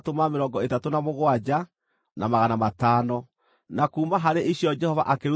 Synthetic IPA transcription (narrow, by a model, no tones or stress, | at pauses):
tomameɾɔːŋɡɔetatonamoɣwad͡ʒa | namaɣanamataːnɔ | nakuːmaɦaɾeʔiɕjɔd͡ʒɛhɔva̰ʔakeɾu